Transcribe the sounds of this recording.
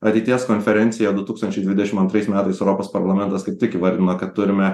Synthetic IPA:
ɐt̪ʲɛɪt̪ʲiɛskoːnʲfʲɛɾʲɛnt̪sʲɪjɛd̪ʊt̪uːkst̪ɐnʲt͡ʃʲɛɪd̪ʋʲɪd̪ʲɛʃʲɪmɐnt̪ɾɐɪsmʲæːt̪ɐɪsɛʊɾoːpoːspɐɾlˠɐmʲɛnt̪ɐskɐɪp̚tʲɪkiʋɐɾʲd̪ʲɪnoːkɐt̪t̪ːʊɾʲɪmʲɛ

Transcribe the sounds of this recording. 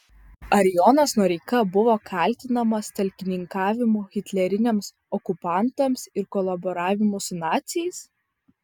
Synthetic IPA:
ɐɾʲɪjɔnɐsnuɔɾʲɛɪkɐbʊʋoːkʰɐˑlʲt̪ʲɪnɐmɐst̪ʲɐlʲkʲɪnʲɪŋkɑːʋʲɪmuːɣʲɪt̪ʲlʲɛɾʲɪnʲeɛːms | ɔkʊpɑˑnˑt̪ɐmsɪɾkɔlˠɐbɔɾɑːʋʲɪmʊsʊnɑːt̪sʲɪjɛɪs

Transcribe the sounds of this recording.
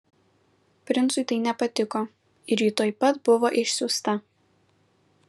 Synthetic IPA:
pʲɾʲɪnsʊɪt̪ɐɪnʲɛpɐt̪ʲɪkoː | ɪɾjit̪oːjpɐt̪bʊʋoːʔɪʃʲsʲʊst̪ɐ

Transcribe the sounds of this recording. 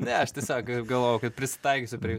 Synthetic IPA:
nʲɛɐʃt̪ʲɪsʲoːkɡɐlˠʋoːjɛʊkɐt̪pʲɾʲɪsʲɪ̥t̪ɐɪkʲosʲʊpʲɾʲɪj

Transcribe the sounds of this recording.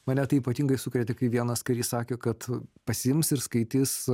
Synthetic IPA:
mɐnʲɛt̪ɐɪiːpɐt̪ʲiːŋɡɐɪsʊkɾʲɛt̪ʲɪkɐɪʋʲiɛnɐskɐɪɾʲjɪssɑːkʲeːkɐt̪pɐsʲɪɪmsɪɾskɐɪt̪ʲɪs

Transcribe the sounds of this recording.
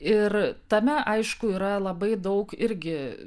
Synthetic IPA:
ɪrt̪ɐmʲɛʔɐɪʃkʊiːɾɐlˠɐbɐɪd̪ɐʊkɪɾʲɡʲɪ

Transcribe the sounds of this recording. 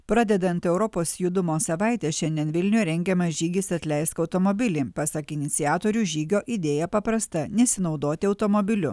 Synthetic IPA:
pɾɑːd̪ʲɛd̪ɐnt̪ɛʊɾɔpoːsjud̪ʊmoːsɐʋɑˑɪt̪ʲɛʃʲɛnʲd̪ʲiɛnʋʲɪlʲnʲʊjɛɾʲɛŋʲɡʲɛmɐsʒʲiːɡʲɪsɐt̪ʲlʲɛɪst̪kɐʊt̪omobʲɪlʲiːpɑsɐkɪnʲɪt̪sʲɪjæːt̪oːɾʲuːʒʲiːɡʲoːʔid̪ʲeːjɛpɐpɾɐst̪ɐnʲɛsʲɪnɒʊd̪oːt̪ʲɪɒʊt̪omobʲɪlʲʊ

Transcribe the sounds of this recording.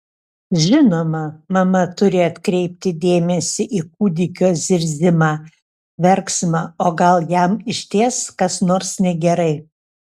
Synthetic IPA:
ʒʲɪnoːmɐmɐmɐt̪ʊɾʲɪɐt̪ʲkɾʲɛɪp̚ʲt̪ʲɪd̪ʲeːmʲɛsʲɪʔiːk̚uːd̪ʲɪkʲoːzʲɪɾʲzʲɪmɑː | ʋʲɛɾksmɑoːɡɐlˠjæmɪʃʲt̪ʲeːskɐsnoːɾsnʲɛɡʲɛɾɐɪ

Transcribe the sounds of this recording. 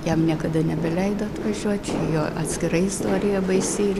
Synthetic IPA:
jɛmnʲiɛkɐd̪ɐnʲɛbʲɛlʲɛɪd̪oɐt̪ʋɐʒʲuɔtt͡ʃʲijoːʔɐ̰t̪ʲsʲkʲɪɾɐɪɪst̪oːɾʲɪjɛbɐɪsʲiːrʲ

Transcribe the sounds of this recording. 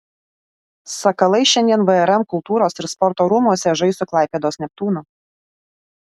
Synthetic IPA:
sɐkɐlˠɐɪʃʲɛnʲd̪ʲiɛnʋɐɛɾɛmkʊlˠt̪uːɾoːsɪɾspɔɾt̪oːɾʊmuɔsʲɛʒɐɪsʊklˠɑˑɪpʲeːd̪oːsnʲɛp̚t̪uːnʊ

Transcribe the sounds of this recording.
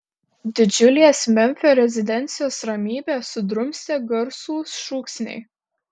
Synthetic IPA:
d̪ʲɪd͡ʒʲʊlʲeːsmʲɛmʲfʲoːɾʲɛzʲɪd̪ʲɛnʲt̪sʲɪjoːsɾɐmʲiːbʲeːsʊd̪ɾʊmʲsʲeɡɐɾsuːsʃuːksʲnʲɛ̰ɪ

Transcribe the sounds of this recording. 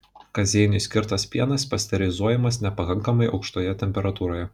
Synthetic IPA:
kɐzʲɛɪnʲɪsʲkʲɪɾt̪ɐspʲiɛnɐspɐsʲt̪ʲɛɾʲɛɪzuɔjɛmɐsnʲɛpɐkɐŋkɐmɐɪʔɒ̰ʊkʃt̪oːjɛt̪ʲɛmʲpʲɛɾɐt̪uːɾoːjɛ

